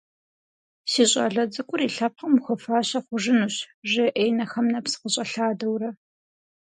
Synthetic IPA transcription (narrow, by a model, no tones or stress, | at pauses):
siːɕʼɐ̰ɮɐd͡zɨkʷʼʊriːɬɐp̚χɐmxʷɔfaːɕɐχʷʊʒɪnuːɕʒɪʔejnɐxɐmnɐpsɨ̥qəɕʼɐɬaːdɐwrɐ